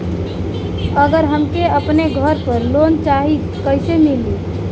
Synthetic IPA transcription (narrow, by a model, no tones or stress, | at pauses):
əɡəɾɦəmkeəpneɡʱəɾpəɾlont͡ʃaɦi | kəɪsemili